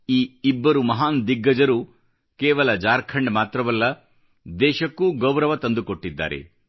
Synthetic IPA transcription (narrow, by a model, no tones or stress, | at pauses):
iːibːɐɾumɐɦaːnd̪iɡːɐd͡ʒɐɾu | keːʋɐlɐd͡ʒaːɾkʰɐɳɖmaːt̪ɾɐʋɐlːɐ | d̪ɛːʃɐkːuɡɐwɾɐʋɐt̪ɐnd̪ukoʈːid̪ːa̰ːɾḛ